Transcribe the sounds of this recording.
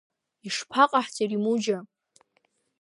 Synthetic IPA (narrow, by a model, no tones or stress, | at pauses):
iʂpʰaqʼaħtʰʼerimud͡ʒa